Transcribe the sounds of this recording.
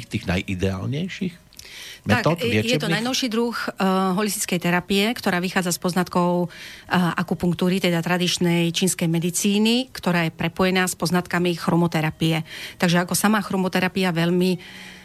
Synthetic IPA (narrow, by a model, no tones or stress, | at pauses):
t̪iːɣna̰jʔid̪ɛa̰ːlɲɛjʃix | mɛaak̪ːtɪɛjɛt̪ɔnajnɔʊʃiːd̪ɾuxɦɔlist̪i̥t͡skɛjt̪ɛɾapiɛkt̪ɔɾaːʋixaːd͡zaspɔznat̪kɔʊʔakupuŋk̚t̪uːɾit̪ɛd̪at̪ɾad̪it͡ʃnɛjt͡ʃiːnskɛjmɛd̪it͡siːnikt̪ɔɾaːjɛpɾɛpɔjɛnaːspɔznat̪kamixɾɔmɔt̪ɛɾapijɛt̪aɡʒɛakɔsamaːxɾɔmɔt̪ɛɾapiaʋɛʎmi